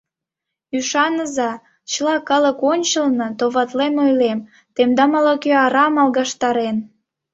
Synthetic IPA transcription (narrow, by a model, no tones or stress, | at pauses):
yʃɑnəzɑ | t͡ɕəlɑkɑləkonʲt͡ɕəlnɤt̪oβɑt̪lemojlem | t̪emd̪ɑmɑlokøɑɾɑmɑlˠɣɑʃt̪ɑɾen